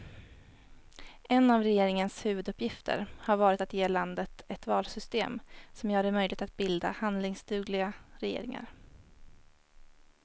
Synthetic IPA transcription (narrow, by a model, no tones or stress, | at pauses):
ʔɛnːavɾɛjeːɾɪŋənshʉ̟ːvɵd̪ɵpːjɪft̪ʰə̰ɾhaɾvɑːɾɪt̪at̪jeːland̪ət̪ɛt̪vɑ̰ːlsʏst̪eːmsɔmjœːɾɛmœjlɪɡ̚t̪at̪̚bɪld̪a̰hand̪lɪŋsd̪ʉ̟ːɡlɪɡaɾɛjḛːɾɪ̰ŋa̰ɾ